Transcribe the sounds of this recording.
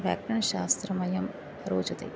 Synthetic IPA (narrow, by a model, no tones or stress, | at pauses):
ʋja̰ːk̚ʈɐɳɐʃaːst̪ɾɐmɐjɐm | ɾoːd͡ʒɐt̪ḛj